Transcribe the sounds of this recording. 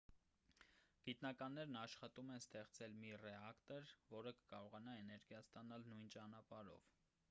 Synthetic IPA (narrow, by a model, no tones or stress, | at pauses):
ɡ̥it̪nɑkɑnːɛɾnɑʃχɑt̪umɛnst̪ɛχt͡sɛlmirɛɑkt̪ɛɾvɔɾəkə̥kɑɾɔʁɑnɑɛnɛɾɡjɑst̪ɑnɑlnujnt͡ʃɑnɑpɑɾɔ̰v̥